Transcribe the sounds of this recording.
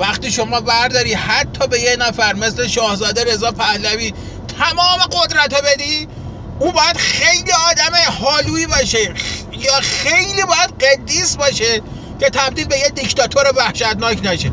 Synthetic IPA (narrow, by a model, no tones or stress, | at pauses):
væxt̪iːʃo̞mɒːbæɾd̪ɒːɾiːd̪hæt̪ʰːɒːbe̞jecnæfæɾme̞sleʃɒːhzɒːd̪eɾe̞zɒːpʰæhlæviː | t̪ʰæmɒːmeɡod̪ɾæt̪ʰobe̞d̪iː | uːbɒːjæd̪̥xejliːɒːd̪æmehɒːluːiːbɒːʃe | jɒːxejliːbɒːjæd̪̚ɢed̪ːiːsbɒːʃe | cʰe̞t̪ʰæb̚d̪iːlbe̞jed̪ikt̪ɒːt̪ʰoɾevæhʃæt̪nɒːcʰnæʃe